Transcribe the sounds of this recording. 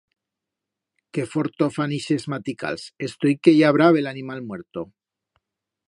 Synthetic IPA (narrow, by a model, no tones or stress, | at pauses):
kefoɾt̪ofaniʃe̞zmat̪ika̰lse̞st̪ojkeʝaβɾaβelanimalmwe̞ɾt̪o